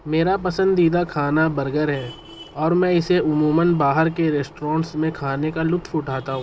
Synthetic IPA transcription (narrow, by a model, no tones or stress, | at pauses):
meːɾapɐsə̃nd̪iːd̪akʰaːnabɐɾɡəɾɦɛː | ɔːɾmɛ̃ɪseʊmuːmənbaːɦəɾkeɾeːsʈɾãːɳʈsmẽkʰaːnekalʊt̪ʰʊʈʰaːt̪aɦũ